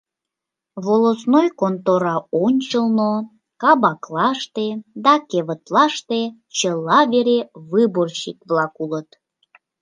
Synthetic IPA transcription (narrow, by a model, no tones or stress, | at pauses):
βolosnojkont̪oɾɑonʲt͡ɕəlno | kɑbɑklɑʃt̪ed̪ɑkeβət̪lɑʃt̪e | t͡ɕəlːɑβeɾeβɨborɕikβlɑkulət̪